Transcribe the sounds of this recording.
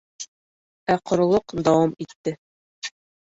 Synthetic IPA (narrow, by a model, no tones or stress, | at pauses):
æqʰŏɾŏlˠoqd̪ɑwɑmit̪ːɘ